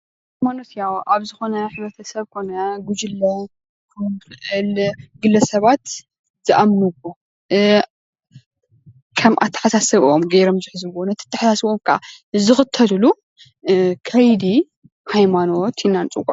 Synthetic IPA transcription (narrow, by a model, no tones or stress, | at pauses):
hajmano̞t̪jawʔaβzɨxo̞nɐɐnħɨβɾɐt̪ʰɐsɐβkʰo̞nɐɡud͡ʒɨlːɐ | kʰɐmɨxɨʔɨlɡɨlːɐsɐβat̪ | z̥ɨʔamnɨbo | kʰɐmʔat̪ʰːɐ̥ħasasɐβʔomɡɐjɾomzɨħzɨβonɐt̪ʰɨ̥t̪ʰːɐħasasβomkʰaʔa̰ | zɨxɨt̪ʰːɐlɨlu | kʰɐjd̪i | hajmano̞t̪jɪnːant͡sʼɨkʼ